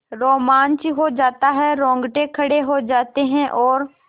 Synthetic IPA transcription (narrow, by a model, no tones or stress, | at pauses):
ɾoːmaːnt͡ʃiɦod͡ʒaːt̪aɦɛɾɔ̃ːŋɡʈekʰɐɽeɦod͡ʒaːt̪eɦɛ̃ʔɔːɾ